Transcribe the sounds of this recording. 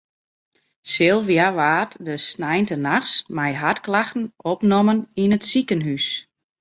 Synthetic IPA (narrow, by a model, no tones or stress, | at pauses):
sɪlˠvjaʋaːtdəsnɛjntənaxsmɛjɦatklaxtn̩opnoməninətsikənɦys